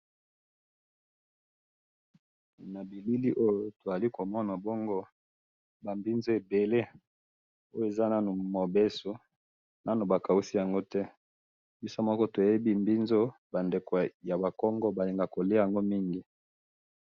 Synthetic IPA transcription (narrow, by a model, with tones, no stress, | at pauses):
na˨bi˨li˦li˦ʔo˦jo˨to˨za˨li˦ko˨mɔ˦na˨bɔ˦ŋɡɔ˦ | ba˨mbi˦nzo˦e˨be˨le˦ | o˦jo˦˨e˨za˦na˦nu˨mo˨be˦so˨ | na˦no˨ba˨ka˨u˦si˦ja˨ŋɡo˦tɛ˦ | bi˦sa˦mɔ˦kɔ˦to˨je˦bi˦mbi˦nzo˦ba˨nde˨ko˨ja˨ba˨kɔ˦ŋɡɔ˦ba˨li˨ŋɡa˨ko˨le˦ja˨ŋɡo˦mi˦ŋɡi˨